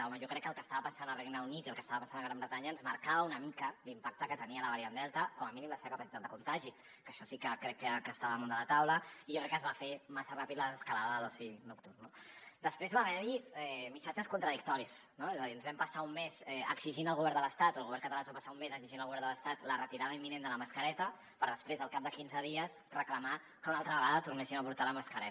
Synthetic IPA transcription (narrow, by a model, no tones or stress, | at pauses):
ɔməʒɔkɾɛkːəlˠkəst̪aβəpasanəlreɡnəunit̪iəlˠkəst̪aβəpasanəɣɾambɾət̪aɲəːnzmɐɾkaβəunəmikəlimpak̚t̪əkət̪əniələβəɾiənd̪ɛlˠt̪əkɔməminimləseβəkəpasit̪at̪̚d̪əkunt̪aʒi | kəʃɔsikəkɾɛkːəkəst̪aβəmund̪əlat̪awləiʒokɾɛkːəzβafemasərapit̪ləəskalaðəlosinukt̪uɾnod̪əspɾezβaβɛɾiɛmisad͡ʒəskunt̪ɾəðik̚t̪ɔɾiznoezəðiənzβɛmpəsaumːezɛə̰ksiʒinəlˠɣuβɛɾnd̪ələst̪at̪olɣuβɛɾkət̪alanzβapəsaummezəksiʒinəlˠɣuβɛɾnd̪ələst̪at̪lərət̪iɾaðəimːinend̪ələməskəɾɛt̪ə | pəɾðəspɾezəlˠkap̚d̪əkinzəðiəs | rəkləma | kəunalˠt̪ɾəβəɣaðət̪urnesiməpuɾt̪aləməskəɾɛ